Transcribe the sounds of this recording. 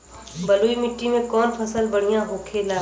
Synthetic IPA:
bəluːimɪʈːimẽkɔːnpʰəsəlbəɽ̤ijãɦoːkʰeːlaː

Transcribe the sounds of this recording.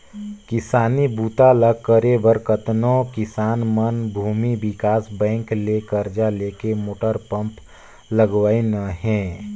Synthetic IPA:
kɪsaːnibuːt̪alakːəɾebəɾkət̪nõkɪsaːnmənbʱuːmibɪkaːsbɛ̃ːŋklekəɾd͡ʒaleːkemoːʈəɾpə̃mp | ləɡwaːinaɦɛ̃ː

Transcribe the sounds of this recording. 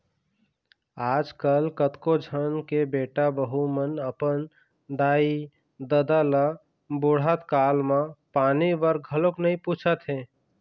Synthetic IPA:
aːd͡ʒkəlkət̪kod͡ʒʱənkebeːʈabəɦumənəpən | d̪aːi | d̪əd̪alə | bʊɽ̤at̪kaːlmãpaːnibəɾɡʱəloknəĩpuːt͡ʃʰət̪ɦẽ

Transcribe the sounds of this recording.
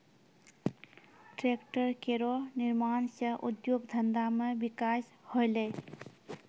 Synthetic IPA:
ʈɾekʈəɾkeɾoniɾmansə̃ʔṵd̪joɡd̪ʱənd̪amebikas | holej

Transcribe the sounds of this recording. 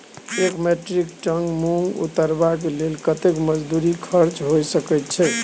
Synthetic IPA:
ekmeʈɾikʈəŋɡmuŋɡṵt̪əɾbak̬elelkət̪ekməd͡ʒd̪uɾikʰəɾt͡ʃɦosəkɛjt̪t͡ʃʰɛ

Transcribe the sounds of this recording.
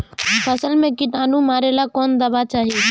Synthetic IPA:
pʰəsəlmẽkɪt̪aːnũmaːɾelakɔːnd̪əbat͡ʃaːɦi

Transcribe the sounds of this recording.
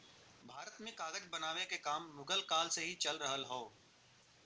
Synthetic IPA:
bʱaːɾət̪mẽkaːɡəd͡ʒbɐnaːʋekekaːmːʊɡəlkaːlseɦit͡ʃɐlɾəɦəlɦoː

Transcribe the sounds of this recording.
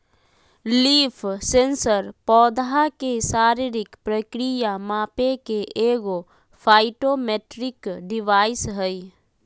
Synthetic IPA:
liːpʰsẽnsəɾpɔːd̪ɦakesaːɾiɾɪkpɾəkɾijamaːpekeʔeːɡo | pʰaːɪʈomeːʈɾɪkɖɪʋaːɪsɦəi

